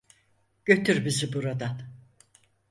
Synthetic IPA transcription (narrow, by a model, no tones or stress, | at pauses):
ɟ̥ø̞t̪ʰyɾbizibuɾad̪an